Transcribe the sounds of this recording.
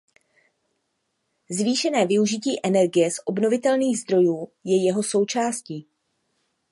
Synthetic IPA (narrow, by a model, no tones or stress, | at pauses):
zviːʃɛnɛːvɪuʒɪciːʔɛnɛɾɡɪjɛsʔo̞bno̞vɪt̪ɛlniːɣzd̪ɾo̞juːjɛjɛɦo̞so̞wt͡ʃaːsciː